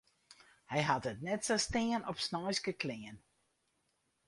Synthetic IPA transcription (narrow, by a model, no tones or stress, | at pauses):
hɛjɦatətnɛtsastɪənɔpsnɔjskəkʰlɪən